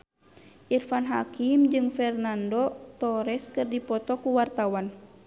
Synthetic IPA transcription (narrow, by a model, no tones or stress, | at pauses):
ʔirfanɦakimd͡ʒɨŋfɛrnandɔt̪ɔɾɛskɨrdipɔt̪ɔkuwart̪awan